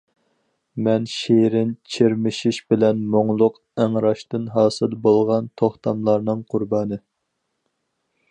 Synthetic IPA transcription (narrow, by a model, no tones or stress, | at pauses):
mɛnʃeɾɪnt͡ʃʰeɾmɪʃiʃbɪlɛnmoŋlˠʊq | æŋɾɑʃt̪ɨnɦɑːsɨlbolˠʁɑnt̪ʰoχt̪ʰɑmlˠɑɾnɨŋqʰʊɾbɑːnɨ